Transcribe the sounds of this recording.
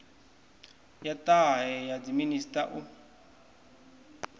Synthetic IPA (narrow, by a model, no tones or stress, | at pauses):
jatʼaɦɛjad͡ziministʼaʔu